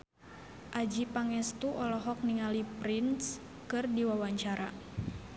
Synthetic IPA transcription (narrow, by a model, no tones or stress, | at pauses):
ʔad͡ʒipaŋɛst̪uʔɔlɔɦɔk̚niŋalipɾins | kɨrdiwawaɲt͡ʃaɾa̰